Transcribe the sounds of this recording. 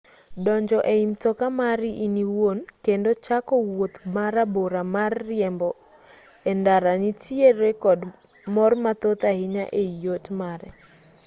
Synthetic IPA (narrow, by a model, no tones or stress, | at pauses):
dɔɲd͡ʒɔʔeimtɔkamaɾiʔiniwonkendot͡ʃakɔwot̪maɾaboɾamarːɪɛmbɔ | ɛndaɾanitieɾekɔd | mɔrmat̪ot̪ahɪɲaʔeijotmaɾɛ